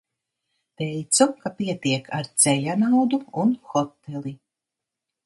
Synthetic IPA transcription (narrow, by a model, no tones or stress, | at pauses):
t̪ɛjt̪sukapiɛt̪iɛkʰaɾt̪sɛʎanawd̪uunxɔt̪ːɛlˠi